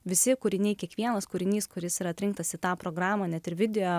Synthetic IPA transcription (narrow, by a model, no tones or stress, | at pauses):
ʋʲɪsʲɪkʊɾʲɪnʲɛɪkʲiɛkʋʲiɛnɐskʊɾʲɪnʲiːskʊɾʲɪsiːɾɐt̪ʲɾʲɪŋkt̪ɐsɪt̪ɑːpɾoːɡɾɑːmɐːnʲɛt̪ɪɾʋʲɪd̪ʲɛjoː